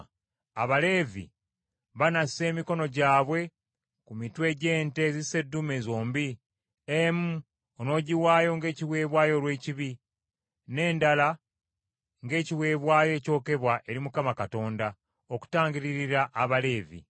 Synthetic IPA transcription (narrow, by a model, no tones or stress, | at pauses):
aβale̞ːvḭ | βanase̞ːmiko̞no̞ɟaːβwe̞ | kumitwe̞ɟe̞ːnte̞zise̞dːumezo̞ːmbi | emu | ono̞ːɟiwaːjo̞ŋɡe̞ːciwe̞ːβwaːjo̞lwe̞ːciβi | ne̞ːndala | ŋɡe̞ːciwe̞ːβwaːjoe̞ːco̞ːke̞βwaʔe̞ɾimukamakato̞ːnda | oku̥taːɲɟiɾiɾiɾaʔːβale̞ːvḭ